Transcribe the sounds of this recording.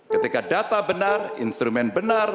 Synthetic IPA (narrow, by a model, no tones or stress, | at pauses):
kət̪ikadat̪abənarḭnst̪ɾumɛnbənar